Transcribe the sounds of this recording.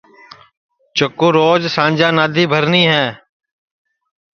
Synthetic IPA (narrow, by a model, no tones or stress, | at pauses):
t͡ʃəkːoːɾoːd͡ʒsãːɲʲd͡ʒãːnaːd̪ʱiːbʱəɾniːɦɛ̃ː